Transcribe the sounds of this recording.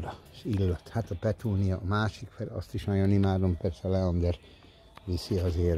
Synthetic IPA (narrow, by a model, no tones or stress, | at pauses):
ɾɒʃilːɒt̪hat̪ɒpɛt̪uːnijɒʔːmaːʃikfɛlɒ̰st̪iʃnɒjonimaːd̪ompɛrsɛlɛond̪ɛɾ | ʋisiɒzeːr